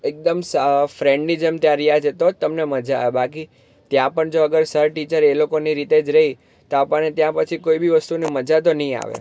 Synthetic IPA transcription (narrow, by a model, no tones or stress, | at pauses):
ek̚d̪əmsəfɾɛ̃ɳɖnid͡ʒemt̪jãɾijad͡ʒet̪ot̪ːəmneməd͡ʒaebʱaki | t̪jãpəɳd͡ʒoəɡəɾsəɾʈit͡ʃəɾelokoniɾit̪ed͡ʒɾəɦi | t̪oapəɳet̪jãpət͡ʃʰikoibʱiʋəst̪uneməd͡ʒat̪̬onəɦĩa̰ʋḛ